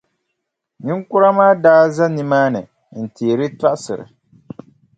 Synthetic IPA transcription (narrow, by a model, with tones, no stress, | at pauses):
ni˦ŋkʊ˦ɾa˦maː˦daː˦za˦ni˨maː˦nɨ˨ | n̩˨teː˨ɾɨ˦ta˦ʔsɨ˨ɾɨ̰˨